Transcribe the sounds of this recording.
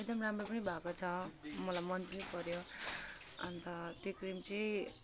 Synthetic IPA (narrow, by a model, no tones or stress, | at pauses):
eɡd̪ʌmɾamɾʌpʌnĩbʱakot͡sʰʌmʌlamʌnpʌnipʌɾjo | ʌnt̪ʌt̪ekɾimt͡se